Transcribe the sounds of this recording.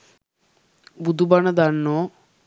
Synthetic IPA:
bud̪ʱubanəd̪aɳːo

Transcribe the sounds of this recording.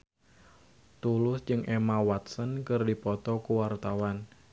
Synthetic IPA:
t̪ulʊsd͡ʒɨŋʔemawat̪sənkərdipɔt̪ɔkuwart̪awan

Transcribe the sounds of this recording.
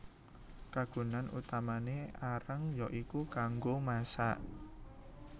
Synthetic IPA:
kaɡ̥ṳnanut̪amaneaɾəŋjɔʔikukaŋɡomasaʔ

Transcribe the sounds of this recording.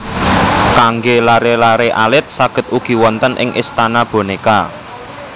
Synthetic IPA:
kaŋɡelaɾelaɾeʔalɪt̪̚saɡ̥ə̤t̪̚uɡ̥i̤wɔnt̪ənʔɪ̰ŋʔḭst̪anab̥o̤neka

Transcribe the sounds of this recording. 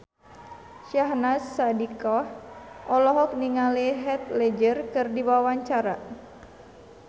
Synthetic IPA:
ʃaɦnasːadikɔhʔɔlɔɦɔk̚niŋaleɦɛt̪̚lɛd͡ʒərkɨrdiwawaɲt͡ʃaɾa

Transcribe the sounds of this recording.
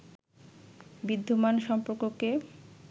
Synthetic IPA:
bid̪ʱːumanʃɔmpoɾkoke

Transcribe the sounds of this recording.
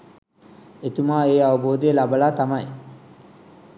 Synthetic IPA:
et̪umaːeːɐʋɐboːd̪ijelabɐlaːt̪ɐmɐj

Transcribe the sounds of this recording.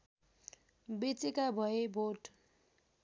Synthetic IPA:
bit͡sikabʱʌebʱoʈ

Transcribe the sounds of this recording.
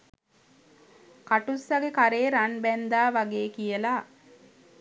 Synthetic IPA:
kaʈusːaɡekaɾeːɾanbænd̪aːʋaɡeːkijəlaː

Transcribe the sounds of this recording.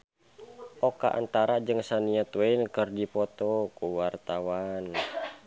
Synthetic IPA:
ʔɔka̰ʔa̰nt̪aɾad͡ʒɨŋsaniət̪wɛinkərdipɔt̪ɔkuwart̪awan

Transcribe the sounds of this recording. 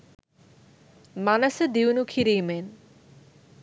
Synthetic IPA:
manɐsed̪iwnukʰiɾijmen

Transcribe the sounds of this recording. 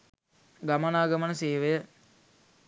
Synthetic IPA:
ɡamənaːɡəmənəseːʋejə

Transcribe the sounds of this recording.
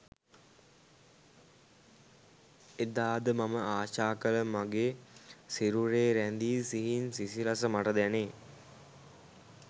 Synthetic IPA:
ed̪aːd̪əmaməaːʃaːkələmaɡesiɾuɾeːɾænd̪iːsiɦinsisiɾasəmaʈəd̪æneː

